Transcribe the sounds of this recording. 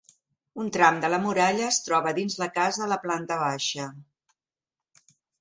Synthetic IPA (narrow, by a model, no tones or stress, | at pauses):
unt̪ɾamd̪ələmuɾaʎəːst̪ɾɔβəðinzləkazəːləplant̪əβaʃə